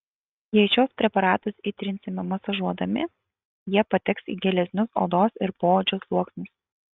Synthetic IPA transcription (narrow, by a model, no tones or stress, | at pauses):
jɛɪt͡ʃʲoːspʲɾʲɛpɐɾɑːt̪ɐsɪt̪ʲɾʲɪnʲsʲɪmʲɪmɐsɐʒuɔd̪ɐmʲɪ̰ | jiɛpɐt̪ʲɛksḭːɡʲɛlʲɛsʲnʲʊso̰ːd̪oːsɪɾpoːod͡ʒʲoslˠuɔksʲnʲʊs